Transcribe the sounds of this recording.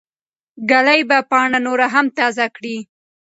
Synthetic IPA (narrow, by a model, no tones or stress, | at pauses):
ɡalajbapɑɳanoɾaɦamt̪ɑzakɽi